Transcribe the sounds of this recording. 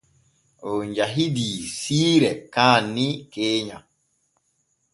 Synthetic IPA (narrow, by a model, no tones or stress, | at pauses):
oɲd͡ʒaɦidisiːɾɛkaːnːikeːɲa